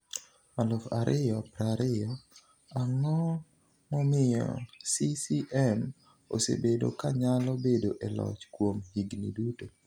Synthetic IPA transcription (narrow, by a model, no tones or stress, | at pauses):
alʊfa̰ɾʔɪjɔpɾaɾɪɔ | aŋɔ | mɔmɪjɔ̰sisiʔɛm | o̰sḛbedo̰kaɲalɔbedoʔelɔ̰t͡ʃkwomhiɡnḭduto